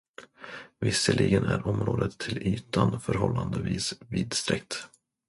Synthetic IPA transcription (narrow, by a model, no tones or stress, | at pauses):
vɪsəlʔɪɡənæɾɔmɾoːd̪ət̪ʰːɪlyːt̪ʰanfœɾɦɔlːand̪əviːsviːd̪st̪ɾɛk̚t̪